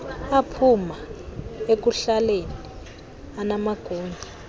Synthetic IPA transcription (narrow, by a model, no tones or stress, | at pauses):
apʰumaek̬uɬalenii | anamaɡ̥ʱoːmbʱi